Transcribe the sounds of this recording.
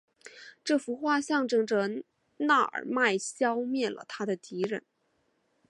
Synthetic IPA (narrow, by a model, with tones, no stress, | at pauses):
ʈ͡ʂɤ˥˩fu˧˥xwa˥˧ɕjɑ˥˧ŋʈ͡ʂɤ˥˩ŋʈ͡ʂə˩ | na˥˩ə̰˞˨˩ma˥˩ɪɕjɑ˥ʊmjɛ˥˩nlə̰˩t̪ʰa˥d̪ə˨t̪i˧˥ɻə̰˧˥˦n